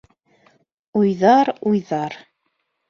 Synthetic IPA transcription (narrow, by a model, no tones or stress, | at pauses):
ujðɑɾujðɑɾ